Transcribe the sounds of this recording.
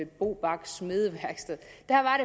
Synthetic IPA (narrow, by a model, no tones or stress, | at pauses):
eb̥o̝̰ːb̥ɑ̈ɡ̥smeðˠəʋæɐɡ̥sd̥eðˠd̥æɐʋɑ̈ɾ̥e̝